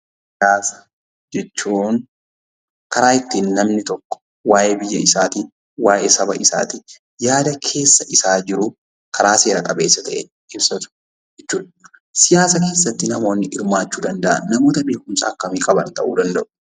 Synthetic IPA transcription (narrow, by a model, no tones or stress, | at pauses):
sɪjaːsɐ̥ | d͡ʒɛt͡ʃːuːn | kɐɾaːɪt̪ːiːnːɐmnɪt̪ɔkːɔ̥ | waːjʔebɪjːɐ̰ɪsaːt̪i | waːʔeːsɐbɐ̰ʔɪsa̰ːt̪i | jaːd̪ɐkʰe̞ːsːɐʔɪsaːd͡ʒɪɾʊ | kʰɐɾaːse̞ːɾɐkʼɐbe̞ːsːɐt̪ɐʔḛ | ɪbsɐt̪ʊ̥ | d͡ʒɛt͡ʃːuːᶑ̪ | sɪjaːsɐke̞ːsːɐt̪ːɪnɐmo̞ːnːɪʔɪɾmaːt͡ʃːuːd̪ɐnd̪ɐʔɐ̰nːɐmoːt̪ɐbe̞ːkʊmsɐ̰ːkːɐmiːkʼɐbɐnt̪ɐ̰ʔṵːd̪ɐnd̪ɐʔʊ̥